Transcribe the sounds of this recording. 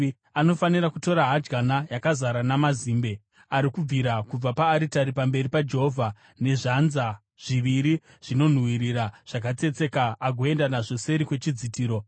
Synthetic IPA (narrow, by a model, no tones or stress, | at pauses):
ano̞fanirakuto̞ɾaɦad͡ʒɡanajakazaɾanamaziːmbe̞ | aɾikub͡viɾakub͡vapaːɾitaɾipambe̞ɾipad͡ʒe̞ɦo̞vʱa | ne̞ʐanza | ʐ̥iʋiɾi | ʐ̥ino̞n̤wiɾiɾaʐ̥ak̬at͡se̞t͡se̞kaːɡʱo̞e̞ndanaʐo̞se̞ɾikwe̞t͡ʃid͡zitiːɾo̞